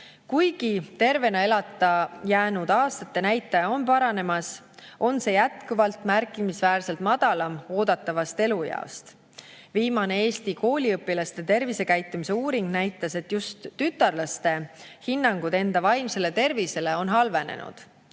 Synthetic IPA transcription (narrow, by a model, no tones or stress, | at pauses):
kujɡ̥it̪e̞rve̞nɑe̞lɑt̪ˑːɑjæːnud̪̥ɑːst̪ɑt̪ːe̞næjt̪ːˑɑjɑo̞npɑɾɑne̞mɑs | ʔo̞nse̞jæt̪kuvɑlt̪mærkˑimisvæːrse̞lt̪mɑd̪̥ɑlɑmo̞ːd̪̥ɑt̪ːˑɑvɑst̪e̞lujɑ̰o̰st̪ | viːmɑne̞e̞ːst̪iko̞ːlʲiɤpːˑilɑst̪e̞t̪e̞rvise̞kæjt̪ːˑumise̞uːɾiŋɡ̥næjt̪ːˑɑse̞t̪ːjust̪ːyt̪ːˑɑrlɑst̪e̞hinːɑŋɡ̥ud̪̥e̞nd̪̥ɑvɑjmse̞le̞t̪e̞rvise̞le̞o̞nɦɑlve̞ne̞̰nṵd̪̥